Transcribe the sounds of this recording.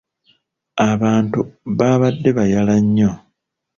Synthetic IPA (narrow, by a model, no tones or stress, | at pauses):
aβaːntuβaβadːe̞βajalaɲːo